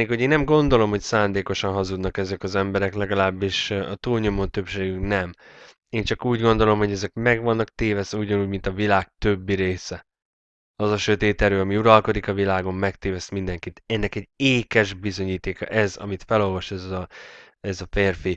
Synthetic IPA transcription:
eːkho̞ɟeːnːɛmɡo̞nd̪o̞lo̞mhocsaːnd̪eːko̞ʃɒnɦɒzud̪nɒkɛzɛkɒzɛmbɛɾɛklɛɡɒlaːbːiʃɒt̪uːlɲo̞mo̞nt̪ø̞pʃeːɡyknɛm | eːnt͡ʃɒkuːɟɡo̞nd̪o̞lo̞mɦo̞ɟɛzɛkmɛɡʋɒnːɒk̚t̪eːvɛsɛuɟɒnuːɟmint̪ɒvilaːk̚t̪øbːiɾeːsɛ | ɒzɒʃø̞t̪eːt̪ɛɾøːɒmiuɾɒlko̞d̪ikɒvilaːɡo̞mːɛkt̪eːvɛst̪mind̪ɛŋkit̪ɛnːɛkɛɟeːkɛʒbizo̞ɲiːt̪eːkɒ̰ʔɛzɒ̰mit̪fɛlo̞lvɒʃɛzɒ | ɛzɒfeːrfi

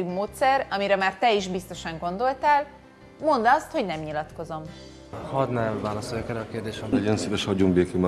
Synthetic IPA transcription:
imoːt̪sɛrɒmiɾɛmaːrt̪ɛiʒbist̪o̞ʃɒŋɡo̞nd̪o̞lt̪aːl | mo̞nd̪ɒst̪ho̞ɟnɛmɲilɒt̪ko̞zo̞m | hɒd̪nɛmvaːlɒsoljɔkɛɾɛɒkeːrd̪eːʃɛnd̪ɛonseːvɛʃhɒɟumbeːkim

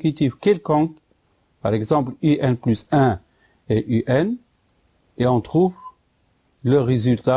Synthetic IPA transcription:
kyt̪ifkʲɛlkɔ̃k | paʁɛɡzɑ̃plyʔɛnplysɛ̃ | eʔyʔɛn | eɔ̃t̪χuv | ləʁezylt̪a

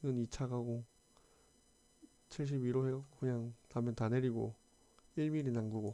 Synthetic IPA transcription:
ɡɯnit͡ɕʰaɡaɡo | t͡ɕʰiɭɕ̬ʰibiɾoɦeɡokɯɲaŋtamjʌntaneɾiɡo̰ | iɭmiɾinaŋɡuɡo

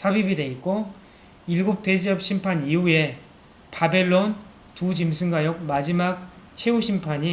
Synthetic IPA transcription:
sʰabibide̞it̚k͈o | iɭɡup̚t͈e̞d͡ʑiʌp̚ɕ͈ʰimpʰaɲiue̞ | pabe̞ɭːon | tud͡ʑimsʰɯŋɡajʌk̚mad͡ʑimak̚t͡ɕʰe̞uɕʰimpʰaɲi

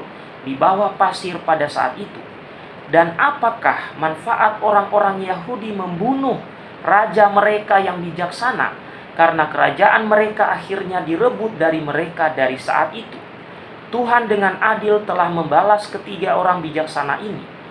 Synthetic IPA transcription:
dibawapasɪrpadasa̰ʔa̰t̪it̪u | danapakahmanfaʔat̪̚oɾaŋoɾaŋjaɦudiməmbunʊh | rad͡ʒaməɾekajaŋbid͡ʒaksana̰ | kaɾənakəɾa̰d͡ʒaʔanməɾekaʔaxirɲadiɾəbʊt̪̚daɾiməɾekadaɾisa̰ʔa̰t̪it̪u | t̪uɦandəŋanadɪlt̪əlahməmbalaskət̪iɡaoɾaŋbid͡ʒaksana̰ʔinḭ

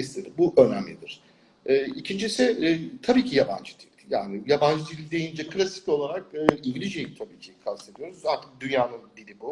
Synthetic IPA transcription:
islʲed̪ibuʔø̞næmlʲid̪iɾ̝̥ | ɛːicʰind͡ʒisɪt̪ʰabiːcʰijaba̰nd͡ʒɯd̪ilʲja̰ːnɪjaband͡ʒɯd̪ilʲd̪e̞jind͡ʒɛkʰɯlʲasi̥co̞lˠaɾak̚ɯːiɲɟilʲiʒjejit̪ʰabiːcʰejikʰase̞d̪ijo̞ɾuzaɾt̪ʰɯk̚d̪ynjaːnɯnd̪ilʲibu

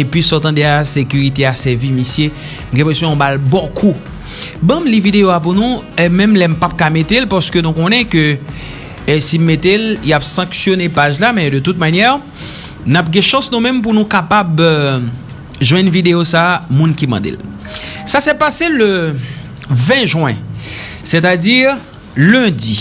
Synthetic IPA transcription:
epɥisɔt̪ɑ̃d̪easekyʁit̪easɛvimisje | m̩ɡɛ̃pesjɔ̃ɔ̃balbɔ̃kʰu | bɐ̃mlivid̪eoap̬unũɛmɛ̃mlɛm̩pap̚kamet̪elpaʁsə̥kønũkɔ̃nɛ̃kø | simːet̪elijapsɑ̃ksjonepaʒlamɛ̃d̪ət̪ut̪̚manjɛʁ | nap̚ɡɛ̃ʃɑ̃snũmɛ̃mp̬unũkapab | ʒwɛ̃nvid̪eosamũnkimɑ̰̃d̪ḛl | sasɛpaselø | vɛ̃ʒwɛ̰̃sɛt̪̬adiʁ | lɛ̃di

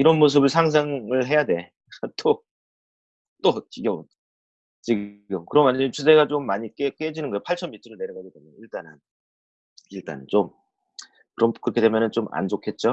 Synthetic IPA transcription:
iɾʌnmos̬ʰɯbɯɭsʰaŋs̬ʰaŋɯɭɦe̞jade̞ | t͈o | t͈ot͡ɕiɡjʌbn | t͡ɕiɡɡɯmkɯɾʌmanit͡ɕʰuseɡat͡ɕomːaɲik͈ek͈ed͡ʑinɯnɡʌjopʰaɭt͡ɕʰʌnmitʰɯɾɯne̞ɾʌɡaɡidemoiɭt͈anan | iɭt͈a̰nt͡ɕom | kɯɾʌmkɯɾʌkʰe̞de̞mjʌnɯnt͡ɕ͈omʔa̰nd͡ʑokʰe̞t̚t͡ɕ͈o

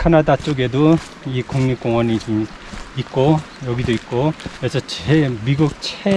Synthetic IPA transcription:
kʰanadat͡ɕ͈oɡe̞do | ikuŋɲuk͈oŋwʌnit͡ɕom | it̚k͈o | jʌɡidoit̚k͈oesʰʌt͡ɕemiɡuk̚t͡ɕʰe

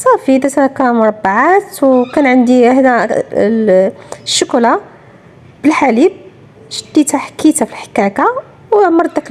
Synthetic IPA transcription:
sˤɑfid̪æt̪ɾɑkæmʊɾˤɑbːaʕat̪wkænʕənd̪ihd̪æ | ʃːʊkla | b̥əlħalib̚ | ʒəd̪ːit̪aħkit̪afilħə̥kæka | wmɑɾˤd̪ək

